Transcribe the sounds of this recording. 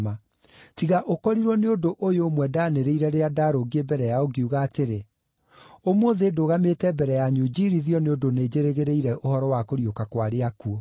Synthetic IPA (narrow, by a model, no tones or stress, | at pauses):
ma | tiɣaʔokɔɾiɾwɔneodoʔojomwɛdaneɾeiɾɛɾeadaɾoɡiebɛɾɛjaoɡeuɣaːteɾe | omoðedoɣametɛbɛɾɛjaɲud͡ʒiɾiðiɔneodoned͡ʑeɾeɣeɾeiɾɛʔohɔɾɔwakoɾiokakwaɾeakuo